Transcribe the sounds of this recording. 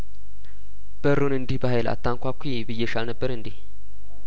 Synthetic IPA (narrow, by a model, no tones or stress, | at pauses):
b̥əɾunɨnd̪ihbəɦajla̰t̪ʰːaŋkʷakʰʷːibɨjːeʃalnəbːəɾɨnd̪ih